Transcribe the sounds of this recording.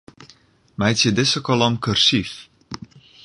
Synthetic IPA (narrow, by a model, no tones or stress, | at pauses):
mɛjt͡sjədɪsəkɔlɔmkørsif